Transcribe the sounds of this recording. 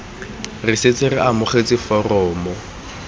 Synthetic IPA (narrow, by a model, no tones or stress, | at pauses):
rɪset͡sʼɪrɪʔamʊχet͡sʼɪfɔrɔːmɔ